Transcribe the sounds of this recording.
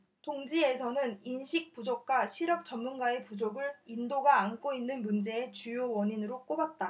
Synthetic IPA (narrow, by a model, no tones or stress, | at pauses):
tʰoŋd͡ʑie̞sʰʌnɯninɕʰik̚p͈ud͡ʑok̚k͈waɕʰiɾʌp̚t͡ɕʌmːunɡae̞pud͡ʑoɡɯɾindoɡaːnk͈oinːɯnmund͡ʑe̞et͡ɕujowʌɲinɯɾok͈obat̚t͈a